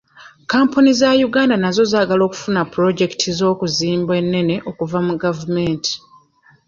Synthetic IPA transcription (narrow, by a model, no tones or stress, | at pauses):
kaːmpunizajuɡaːndanazo̞zaːɡalo̞ːku̥funapuɾo̞ɟe̞ki̥tʰizo̞ːkuziːmbwe̞nːe̞ne̞ʔo̞kuvamuɡavume̞ntʰi̥